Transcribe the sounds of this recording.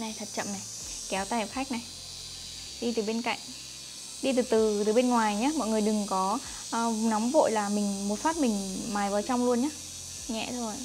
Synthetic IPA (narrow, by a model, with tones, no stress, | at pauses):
na˨˩jt̪ʰə˨˩t̚t͡ɕə̰˧˨mna˨˩j | kɛ˨˦wt̪aː˧hpxa˦˥k̟̚na˨˩j | ɗi˧t̪ɨ˨˩ɓe˧nka̰˧˨ŋ̟ | ɗi˧t̪ɨː˨˩t̪ɨ˨˩t̪ɨː˨˩ɓe˧nŋwaː˨˩jɲaː˨˦mɔ̰˧˨jŋɨ˨˩əjɗɨ˨˩ŋkɔ˨˦˧ | nɔ˨˦wŋ͡mvo̰˧˨jlaː˨˩mï˨˩ŋ̟mo˨˩t̚faː˦˥t̚mï˨˩ŋ̟maː˨˦jvaː˨˩wt͡ɕa˧wŋ͡mlu˧ənɲaː˨˦ | ɲɛ̰˧˨t̪ʰo˧j